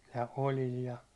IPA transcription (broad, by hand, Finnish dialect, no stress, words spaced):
jɑ olʲil jɑ